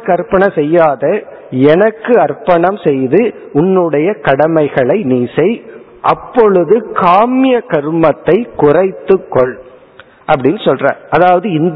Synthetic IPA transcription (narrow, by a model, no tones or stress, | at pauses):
kɐɾpɐɳɐsɛjːaːðɐ | ɛnɐkːɯɐrpɐɳɐmsɛjðɯ | ʊnːɯɽɐjɐkɐɽɐmɐɪɣɐɭɐɪniːsɐɪ | ʔɐpːɔɻɯðɯkaːmɪjɐkɐɾɯmɐt̪ːɐɪkʊrɐɪt̪ːɯkːɔɭ | ʔɐpːɐɽɪnːɯsɔlra̰ːɾʔɐðaːʋɐðɯɪn